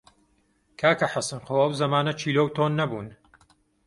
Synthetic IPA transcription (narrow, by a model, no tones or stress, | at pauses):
kʰaːkɐħasɨnxoːɐwzɐmaːnɐt͡ʃʰiːloːwt̪ʰoːnːɐbuːn